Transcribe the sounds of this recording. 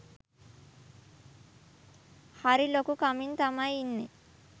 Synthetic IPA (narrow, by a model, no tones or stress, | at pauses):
hɐɾilokukɐmint̪ɐmajinːi